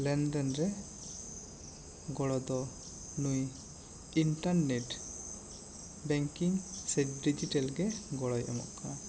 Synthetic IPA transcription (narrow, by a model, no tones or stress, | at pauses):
lɛnd̪ɛnɾɛ | ɡɔɽɔd̪ɔ | nuj | iɳʈaɾnɛʈ | bɛŋkiŋsɛt̚ɖid͡ʒiʈɛlɡɛɡɔɽɔjʔɔmɔ̰ʔka